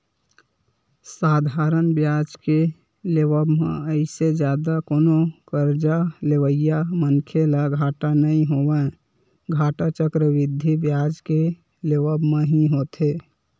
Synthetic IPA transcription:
saːd̪ʱaːɾənbjaːd͡ʒke | leʋəbmḛ̃əɪsed͡ʒjaːd̪akoːnokəɾd͡ʒaleʋəjamənkʰelaɡʱaːʈanəɦĩɦoːʋə | ɡʱaːʈat͡ʃəkɾəʋɪd̪ʱːibjaːd͡ʒke | leʋəbmẽɦiɦoːt̪eː

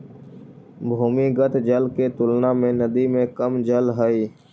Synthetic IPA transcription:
bʱuːmiːɡət̪ʰd͡ʒəlkeːt̪ʊlnaːmẽːnəd̪iːmẽːkəmd͡ʒəlɦəiː

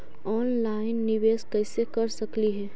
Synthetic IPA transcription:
ɔːnlaːɪnːɪʋeːskɐːsekɐɾsɐkliɦɛː

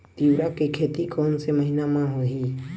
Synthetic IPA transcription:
t̪iwɾakekʰeːt̪ikʰoːnseməɦinamãɦõɦiː

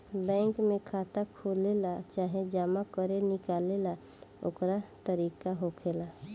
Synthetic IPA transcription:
bɛ̃ːŋkmẽkʰaːt̪akʰoːlelat͡ʃaːɦed͡ʒaːmakəɾenɪkaːlela | ʊ̰kɾat̪əɾiːkaɦokʰeːla

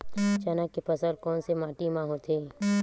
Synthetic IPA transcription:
t͡ʃanakepəsəɾkɔːnsemaːʈimãɦot̪ʰeː

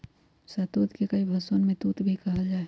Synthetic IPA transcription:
sɐt̪uːt̪kekɐibʱɐsonmẽt̪uːt̪bʱikɐɦad͡ʒaːe

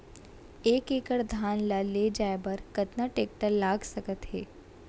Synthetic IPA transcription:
eːkeːkəɽd̪ʱaːnlaled͡ʒaːebɐɾkət̪naʈeːk̚ʈəɾlaːɡsəkət̪ɦɛː

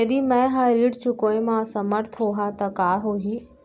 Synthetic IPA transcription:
jɐd̪imɛ̃ɦaɾiːɽt͡ʃʊkoːemãsɐməɾt̪ʰɦoːɦat̪ɐkaːɦoːɦiː

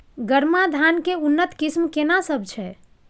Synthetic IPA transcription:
ɡəɾmad̪ʱankeunːət̪kismkenasəb̚ʱt͡ʃʰɛ

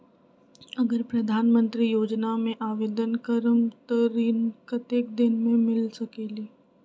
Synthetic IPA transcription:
ɐɡəɾpɾɐd̪ʱaːnmə̃nt̪ɾijoːd͡ʒnamẽʔaːʋeːd̪ənkəɾəmt̪əɾiːnkɐt̪ek̚d̪ɪnmẽmɪlsɐkeːliː

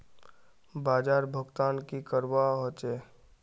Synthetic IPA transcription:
baːd͡ʒaːɾbʱəɡt̪aːnkikəɾwaɦot͡ʃeː

